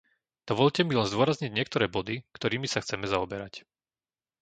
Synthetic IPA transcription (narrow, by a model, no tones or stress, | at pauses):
d̪̥ɔʋɔʎcɛmilɛnzd̪ʊɔɾazɲiɟɲɪɛk̚t̪ɔɾɛːbɔd̪ikt̪ɔɾiːmisaxt͡sɛmɛzaɔbɛɾac